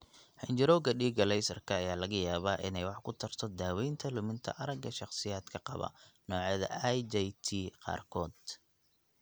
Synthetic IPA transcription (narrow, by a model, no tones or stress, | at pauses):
hɪnt͡ʃɪɾɔːɡɐɖiːɡɐlɛjsɐrkʰɐːjaːlɐɣɐjaːβaːʔɪnɛjwɑħkʰʊt̪ʰɐrt̪ʰɔd̪aːwɛjnt̪ʰɐlʊmɪnt̪ʰɐ̰ʔɐɾɐɡɐʃɑqsɪjaːd̪kʰɐqɑβɐ̰nɔːʕɛːðɐ̰jd͡ʒɛjt̪ʰiːqɑ̰ːrkʰɔːd̪